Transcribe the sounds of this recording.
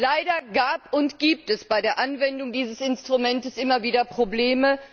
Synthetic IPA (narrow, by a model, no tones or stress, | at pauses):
laɪdɐɡaːpʊntɡ̥iːp̚tɛsb̥aɪdeːɐʔanvɛndʊŋdiːzəsɪnstʁ̥umɛntəsʔɪmɐviːdɐpʁ̥obleːmə